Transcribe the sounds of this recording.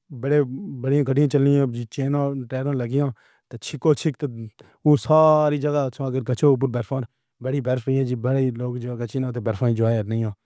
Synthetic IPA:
bəɽeːbəɽɪjãːkəɖɪjãːt͡ʃəlːɪːãːd͡ʒiːt͡ʃeːnãːʈɛːɾãːləɡɪjãː | t̪eːt͡ʃʰɪkoːt͡ʃʰɪkt̪eː | oːsaːɾiːd͡ʒəɡaːsʰãːəɡəɾkət͡ʃʰoːp̬ʊɾbɛːɾfʰãːn | bəɽiːbɛɾfəijãːd͡ʒiːbəɽiːloːkd͡ʒokət͡ʃiːnãːt̪eːbɛɾfʰãːĩd͡ʒoaːjnəĩːãː

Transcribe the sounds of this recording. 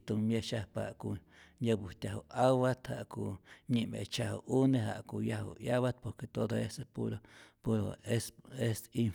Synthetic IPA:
t̪umjeʃahpa̰ʔku | ɲəbut̪ʲaɦoʔawat̪haʔkuɲimḛt͡ʃaɦo̰ʔuneɦa̰ʔkujaɦo̰jaβat̪̚poɾket̪od̪oesepuɾopuɾo̰esesin

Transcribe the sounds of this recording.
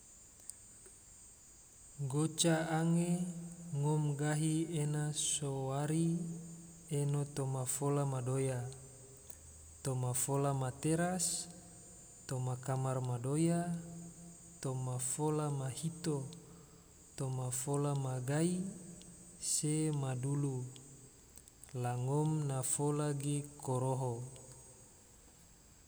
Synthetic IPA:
ɡot͡ʃaaŋeŋɔmɡaɦienasowaɾi | enot̪omafolamadoja | t̪omafolamat̪eɾas | t̪omakamarmadoja | t̪omafolamahit̪o | t̪omafolamaɡai | semadulu | laŋɔmnafolaɡekoɾoɦo

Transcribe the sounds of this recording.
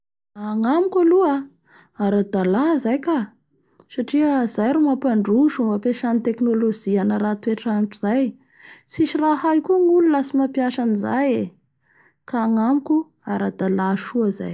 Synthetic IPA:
aŋamukʲalua | aɾad̪alazajka | saʈ͡ʂiəzajɾumapaɳɖ͡ʐuʃumapeʃanit̪eknolod͡ʒianəɾat̪ueʈ͡ʂaniʈ͡ʂuz̥aj | siʃirahajkuŋululasimapjaʃaniza̰je | kaːŋamuku | aɾad̪alaʃuaza̰j

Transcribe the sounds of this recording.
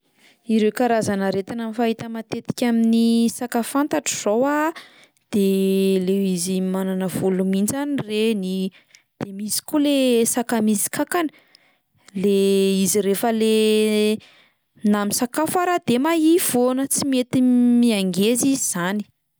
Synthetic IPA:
iɾewkaɾazanəɾet̪inamifaɦit̪əmat̪et̪i̥kʲaminisakafant̪aʈ͡ʂiz̥owa | d̪̥elewizimananavulumind͡ʒanireni | d̪̥emisi̥kulesakamisi̥kakanə̥ | leiziɾefəle | namisakafaɾad̪̥emaiv̥onət͡simet̪imiaŋɡeziziz̥ani̥

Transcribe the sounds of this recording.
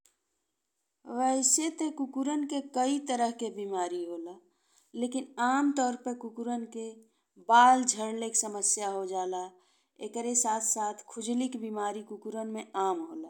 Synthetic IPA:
ʋəɪset̪ekukuɾənkekəit̪əɾəɦkebimaːɾiɦoːla | leːkɪnaːmt̪ɔːɾpəɾkukuɾənke | baːld͡ʒʱəɾleksəməsjaɦod͡ʒaːla | ḛkəɾesaːt̪ʰsaːt̪ʰkʰʊd͡ʒlikbimaːɾikukuɾənmẽaːmɦoːlaː

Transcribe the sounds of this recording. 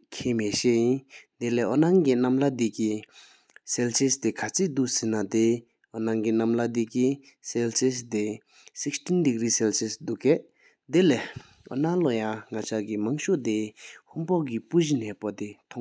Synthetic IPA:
kʰeːmeɕeʔjind̪elɛʔonaŋkinamlad̪iʔki | sɛlsist̪ekʰat͡sʰid̪uʔsinat̪e | ɔnaŋkinamlad̪iki | sɛlsisd̪e | sikstindiɡriːsɛlsisd̪uʔkɛʔ | d̪elɛ | ʔɔ̰nalojaŋat͡ɕʰakimaŋɕoʔd̪ehuŋpɔʔk̬ipuʑinɛːpot̪et̪ʰɔŋ

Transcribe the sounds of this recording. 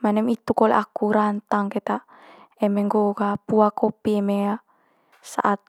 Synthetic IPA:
manɛmit̪ukolḛʔakuɾant̪aŋkɛt̪a | ɛmeŋɡoɡapuakopiɛmeja | sa̰ʔat̪̚

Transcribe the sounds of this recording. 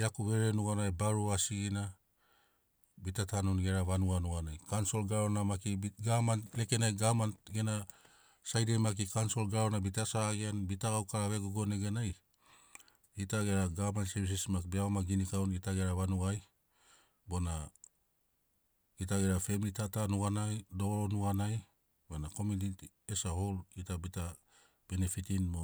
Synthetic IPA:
akuβe̞ɾenuɡanaebaɾuasiɡina | bitatanunɡe̞ɾaβanuanuanajkanso̞lɡaɾonamakiɡamanleke̞najɡamanɡe̞na | sajdemak̬ikanso̞lɡaɾonabitasaɡeanbitaɡawkaɾaβe̞ɡuɡo̞neɡenaj | itaɡeɾaɡamansebis̬ismakbiaβamaɡinikawnitaɡeɾaβanuɡaj | bo̞na | ɡitaɡeɾafemilitatanuɡanajdo̞oɾonuɡanaj | bonako̞midit | esaholitabita | b̥enefitinmo

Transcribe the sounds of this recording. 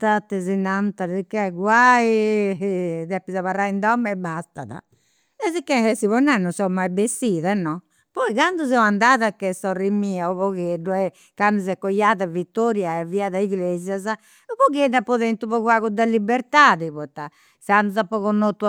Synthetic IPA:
t̪at̪ːɛzinant̪aɾsikːɛɡwai | ðɛpːizaβarːaind̪ɔmːɛbast̪a̰ða̰ | ɛzikːɛhɛsiβɔnːɛnːɔsɔmːajbesːiːðɛnːɔ | pɔiɣand̪uzɛwand̪aːðakːɛsɔrimːiːauβɔɣeɖuɛ | kand̪uzɛkːɔjːaːðavit̪ːɔɾjaɛviaðaiɣlɛzjaza | uβɔɣeɖːapːɔðɛnt̪uβɔɣuaɣud̪alːibɛɾt̪aːðiβɔt̪ːa | sanːuzapɔɣɔnːɔt̪ːu

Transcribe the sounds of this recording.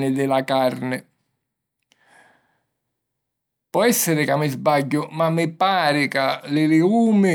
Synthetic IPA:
nɪd̪ɪlakarnɪ | pɔɛsːɪɾɪkamːɪzbaʎːʊmamːɪpaːɾɪkalɪlɪuːmɪ

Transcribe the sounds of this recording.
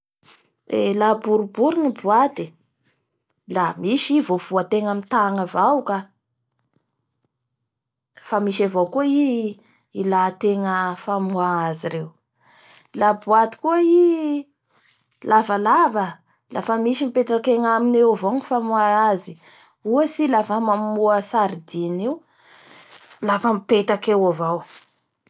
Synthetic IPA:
ḛlabuɾubuɾinibuat̪i | lamiʃivov̥uat̪eŋamint̪aŋəvawka | famiʃavokuai | ilat̪eŋəfamuaaziɾew | labuat̪i̥kuai | lavəlavə | lʔafəmiʃimipet̪akeŋaminewavoŋifamuaazi | uasilafamamuəsaɾid̪iniw | lafəmipet̪akewavaw

